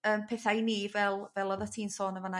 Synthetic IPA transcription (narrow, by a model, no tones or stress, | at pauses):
əːmpʰɛːθajniːvɛlˠvɛlˠɔðɔtʰiːnsoːnəvana